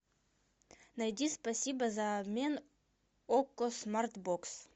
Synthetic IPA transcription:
najd̪ispɐsʲibəzamʲen | okːosmart̪boks

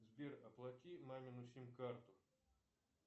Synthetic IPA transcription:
zʲbʲerɐplˠakʲimamʲɪnʊsʲimʲkart̪ʊ

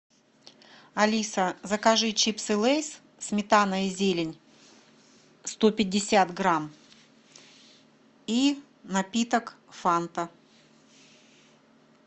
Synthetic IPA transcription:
ɐlʲisəzəkɐʐɨt͡ɕipsɨlˠejs | smʲɪt̪anəɪzʲelʲɪnʲ | st̪opʲɪdʲːɪsʲat̪ɡɾam | i | nɐpʲit̪ək | fant̪ə

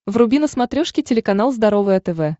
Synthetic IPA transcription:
vrʊbʲinəsmɐt̪ɾʲoʂkʲɪtʲɪlʲɪkɐn̪alˠzd̪ɐɾovɨjɐt̪ɛvɛ

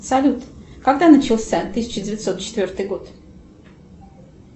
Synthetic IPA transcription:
salʲut̪kaɡd̪anɨt͡ʃʰilˠsʲat̪ʰɨsʲi̥t͡ʃʰɨdʲɪvʲɪt̪sot̪t͡ʃʰɪ̥t̪vʲøɾt̪ɨɡot̪

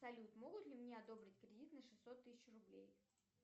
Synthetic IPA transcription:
sɐlʲut̪mo̞ɡʊt̪lʲɪmnʲeɐd̪o̞bɾʲɪtʲkɾʲɪdʲit̪nəʂɨsʲːot̪ːɨsʲɪt͡ɕrʊblʲḛj

